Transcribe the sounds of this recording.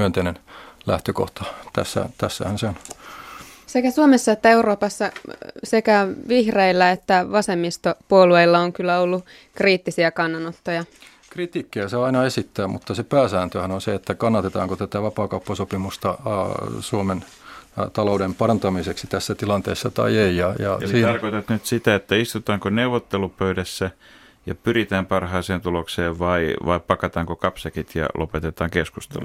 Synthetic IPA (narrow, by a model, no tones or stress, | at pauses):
yønt̪einenlæ̰ht̪øko̰ht̪ɑt̪æ̰sːæ̰t̪æsːæ̰hænseon | sekæsuomesːɑet̪ːæeuroːpɑsːɑsekæʋihreilːæet̪ːæʋɑsemːist̪opuolueilːɑoŋkylːæolːu | kriːt̪ːisiækɑnːɑnot̪ːojɑ | krit̪iːkːiæseɑinɑesit̪ːæːmṵt̪ːɑsepæːsæːnt̪øhænonseet̪ːækɑnːɑt̪et̪ɑ̰ːŋkot̪æt̪æʋɑpɑːkɑupːɑsopimust̪ɑ | suomen | t̪ɑlouɾempɑrɑnt̪ɑmiseksit̪æsːæt̪ilɑnt̪ḛːsːɑt̪ɑ̰ieijɑjɑ̰ɑsesit̪ɑrkoit̪et̪nyt̪sit̪æet̪ːæist̪ut̪ɑːŋkoneuʋot̪ːelupøydæsːæ | jɑpyrit̪æːmpɑrhɑiseːnt̪ulokseːʋʋɑiʋɑ̰ippɑkɑt̪ɑːŋkokɑpsɑkit̪jɑ̰lʔo̰pet̪et̪ɑːŋkeskust̪ḛlṵ